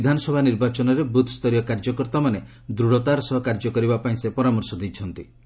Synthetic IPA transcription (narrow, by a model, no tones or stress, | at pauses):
d̪ʱanɔsɔbʱaniɾbat͡ʃɔnɔɾebut̪ʰst̪ɔɾjɔkaɾd͡ʒɔkɔɾt̪amane | d̪ɾuɽɔt̪aɾɔsɔɦɔkaɾd͡ʒɔkɔɾibapaĩsepɔɾamɔɾsɔd̪ijt͡ʃʰɔnt̪i